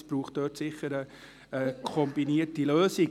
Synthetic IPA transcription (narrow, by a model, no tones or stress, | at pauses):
sb̥ruːχt̚d̥øːtsɪχəɾə | ɛkʰɔmbiniətdiløːsi